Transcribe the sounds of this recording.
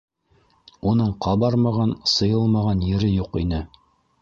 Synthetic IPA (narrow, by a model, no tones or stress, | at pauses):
unɤɴqʰɑβbɑɾmɑʁɑnsɤ̆jɤlˠmɑʁɑnjɘ̆ɾɘjuqinɘ